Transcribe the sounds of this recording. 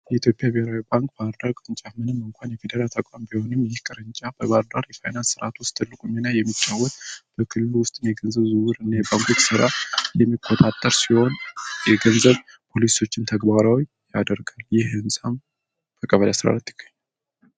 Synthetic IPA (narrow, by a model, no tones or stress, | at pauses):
jɛit̪ʰjo̞pʼjabeheɾawibaŋkʼbadɾaɡʼɨnt͡ʃʼamɨnɨmːɨŋkʷʰanjɛfed̪əɾalt̪ʰəkʷʼambiho̞nɨmjɪhkʼɨɾɨnt͡ʃʼab̥əβaɾd̪aɾjɛfajnansːɨɾʔat̪ʰwʊst̪ʰːɨlːɨkʼuminajɛmːit͡ʃʼːawːɔt̪b̥əkʰɨlːɨluwʊst̪ʼnjɛɡənzəβzɨwɨɾɨnːajbaŋkʰʼot͡ʃsɨɾajɛmːikʼːot̪ʼat̪ʼːəɾsiho̞njɛɡənzəβ | pʰo̞liso̞t͡ʃːɪnt̪ʰəɡbaɾaw | jad̪əɾɡaljɪhɨnsʼam | bəkʼəβəlasɨɾa̰lət̪ʰːɨ̥ɡ̥aɲːal